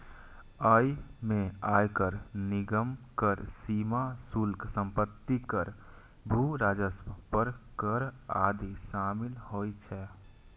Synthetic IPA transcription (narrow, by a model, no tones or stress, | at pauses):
əjmẽajkəɾniɡəmkəɾsimasulksə̃mpət̪ːikəɾ | bʱuɾaːd͡ʒəsmpəɾkəɾa̰d̪isaːmilhojt͡ʃʰɛ